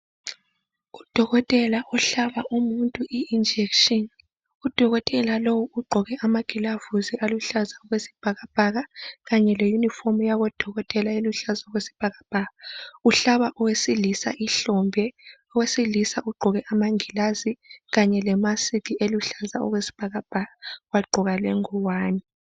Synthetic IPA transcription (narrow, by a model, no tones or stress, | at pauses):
ud̥ʱɔɣɔtʼɛlaʔɔɬaβaʔumuntʼuʔiind͡ʒʱɛkʃɔn | ud̥ʱɔɣɔtʼɛlalowuuɡ͡ǃʱɔɣɛʔamaŋʱilavuziʔaluɬazaɔɣwesi̥b̥ʱaɣab̥ʱaɣaɣaɲɛlejunifomujaɣɔd̥ʱɔɣɔtʼɛlaeluɬazaɔɣwesi̥b̥ʱaɣab̥ʱaːɣauɬaβaʔɔwesilisa̰ʔiɬɔmbʱɛɔwesilisaʔuɡ͡ǃʱɔɣɛʔamaŋilaziɣaɲɛlɛmasitʰiʔeluɬazaɔ̰ɣwesi̥b̥ʱaɣab̥ʱaɣawaɡ͡ǃʱɔɣalɛŋɔwaːni